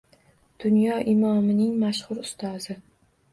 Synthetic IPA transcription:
d̪̥ʊnjɒʔɪmɒmɪnɪŋmaʃχʊɾʊst̪ʰɒzɪ

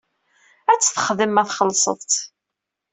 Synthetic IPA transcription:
æt͡sːθəχðəmːæθχəlːsˤə̰ðˤt̪

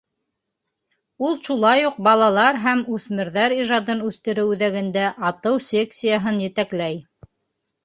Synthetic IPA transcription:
ulˠʃulˠɑjuq̚bɑlˠɑlˠɑɾɦæmʉθmɘ̆ɾðæɾiʒɑd̪ɤnʉθt̪ɘ̆ɾɘwʉðæɡɘ̆nd̪æʔɑt̪ɤwsʲe̞ksʲijaɦɤnjɘ̆t̪æklæj

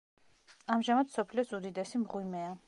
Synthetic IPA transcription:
amʒamad̪sɔpʰliɔsud̪id̪ɛsimʁwimɛa

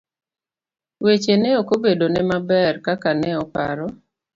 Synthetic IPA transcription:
wet͡ʃenɛokobedonɛmabɛrkakanɛɔpa̰ɾɔ

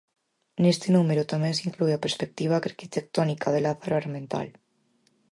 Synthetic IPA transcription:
nest̪enumeɾut̪amensiŋkluapeɾspek̚t̪iβ̞aaɾkit̪ek̚t̪ɔnikʰað̞elaθaɾoaɾmẽnt̪a̰l

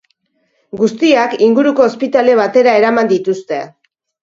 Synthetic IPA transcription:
ɡust̪iakiŋɡuɾuko̞ːspit̪ale̞β̞at̪e̞ɾae̞ɾamand̪it̪ust̪e̞

